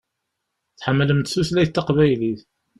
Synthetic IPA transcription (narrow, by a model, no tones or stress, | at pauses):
θħəmːələmt̪θuslæjt̪ːɑqvæjliθ